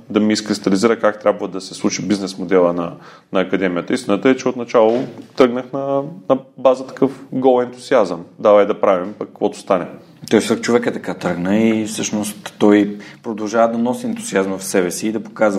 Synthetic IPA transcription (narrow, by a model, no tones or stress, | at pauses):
d̪ɐmiːskɾist̪ɐliziɾəkak̚t̪ɾʲabvəd̪ɐsɛslˠut͡ʃibiznɛsmod̪ɛlˠənɐ | nɐːkɐd̪ɛmiət̪əist̪inət̪əɛt͡ʃɛot̪nɐt͡ʃalˠot̪ɾɤɡnəxnɐnɐbazət̪ɐ̥kɤfɡɔlˠɛnt̪ʊziazəmd̪avəɛd̪ɐpɾavimpɐkːə̥kvɔt̪ʊ̥st̪anɛ | t̪ɔjsəkt͡ʃovɛkət̪ɐkat̪ɾɤɡnəifsɤʃnost̪ːɔjpɾod̪ɐlˠʒavəd̪ɐnɔsiɛnt̪uziazməfsɛbɛsiːd̪ɐpokazv